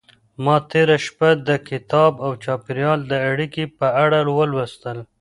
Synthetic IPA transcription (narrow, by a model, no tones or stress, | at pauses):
mɑt̪eɾaʃpad̪əkɪt̪ɑbawt͡ʃɑpɪɾjɑld̪əaɽikepəaɽalwəlwast̪əl